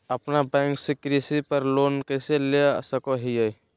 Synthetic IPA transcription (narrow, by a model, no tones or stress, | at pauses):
əpnabɛ̃ːŋksekɾisipəɾloːnkɛɪselesəkoɦijəj